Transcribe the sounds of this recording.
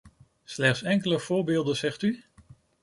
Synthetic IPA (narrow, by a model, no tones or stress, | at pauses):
slɛχtsɛŋkələv̥ʊːɹbɪːlˠdənzɛχty